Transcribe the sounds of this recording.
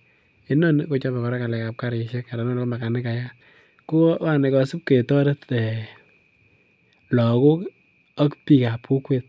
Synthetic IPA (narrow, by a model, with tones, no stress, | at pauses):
i˦no˦nko˦t͡ʃɔ˦pɛ˨kɔ˨ɾɛ˦ka˨lɛ˨ka˨p̚ka˦ɾɪ˨ʃe˦ka˨ɾa˨no˦nko˦ma˨ka˨nɪ˦ka˨ja˦ | ko˦wa˦ne˨kɔ˨su˦p̚ke˨tɔ˦ɾe˦te˨ | lɔ˨ko˦k | a˦kpi˨ka˨pku˦kwe˦t̚